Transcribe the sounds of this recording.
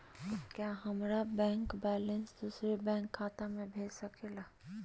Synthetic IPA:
kjaːɦɐmɾabɛ̃ːŋkbɛːlə̃nsd̪uːsɾebɛ̃ːŋkʰːaːt̪amẽbʱeːd͡ʒsɐkʰelaː

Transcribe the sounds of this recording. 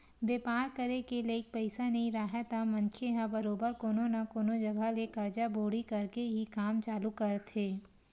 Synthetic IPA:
beːpaːɾkɐɾekeleːk̚pɛɪsanɐɦĩɾaːɦat̪amɐ̃nt͡ʃʰeɦãbɐɾoːbəɾkoːnonɐkoːnod͡ʒɐɡʱalekɐɾd͡ʒaboːɽikɐɾkeɦikaːmt͡ʃaːlukɐɾt̪ʰeː

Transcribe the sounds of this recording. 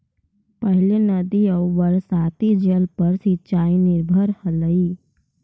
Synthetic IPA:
pəɦɪlenəd̪iəwʋəɾsaːt̪id͡ʒəlpəɾsitːt͡ʃaːinɪɾbʱəɾhələiː

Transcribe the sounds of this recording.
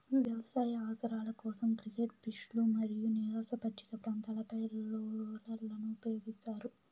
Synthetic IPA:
ʋjɐʋɐsaːjɐaːsɐɾaːlɐkɔːsɐmkɾikeʈ̚piʂlumɐɾijuniʋaːsɐpɐʈːi̥kɐpɾaːnt̪aːlɐpɐjlːlɐɾlɐnuːpɐjoːɡit͡ʃːaːɾu

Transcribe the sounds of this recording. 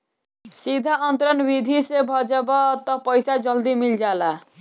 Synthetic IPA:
sid̪ʱaʌnt̪ɾʌnbid̪ʱisebʱɔd͡ʒebɔt̪ɔpəjsad͡ʒʌld̪imild͡ʒala

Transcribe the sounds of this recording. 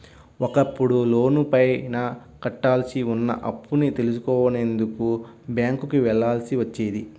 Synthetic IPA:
ɔkɐpːuɽuloːnupɐjnɐ | kɐʈːaːlsiunːɐ̰ʔɐpːunit̪e̞lusukɔːʋɐnend̪ukubjaːŋkukiʋɛɭːaːlsiʋɐt͡ʃːeːd̪i

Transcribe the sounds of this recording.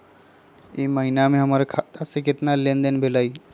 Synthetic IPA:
iməɦinamẽɦəmaɾkʰat̪asekɪt̪nalend̪ənbʱelai

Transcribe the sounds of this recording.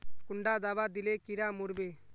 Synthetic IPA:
kʊɳɖaːd̪aːbad̪ilekiɾamuɾbeː

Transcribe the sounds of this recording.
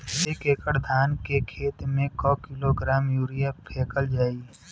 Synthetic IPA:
sekeːkəɽd̪ʱaːnkekʰeːt̪mẽkɔːkɪloɡɾaːmjuːɾijapʰeːkəld͡ʒaːi

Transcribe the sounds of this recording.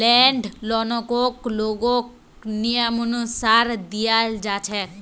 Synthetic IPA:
lɛɳɖlɔnɔkokloɡok | nijəmɔnusaɾd̪ijad͡ʒaːt͡ʃʰɛ

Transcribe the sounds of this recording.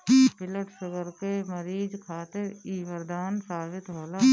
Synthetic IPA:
bɪləʈsʊɡəɾkeməɾiːd͡ʒkʰaːt̪ɪɾiːʋəɾd̪aːnsaːʋɪt̪ɦoːla

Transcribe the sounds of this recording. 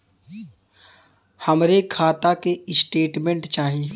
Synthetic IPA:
həmɾekʰaːt̪akeɪsʈeːʈmẽɳʈt͡ʃaːɦi

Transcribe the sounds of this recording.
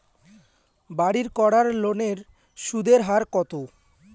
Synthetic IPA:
baɽiɾkɔɽaɾloneɾ | ʃud̪eɾɦaɾkɔt̪o

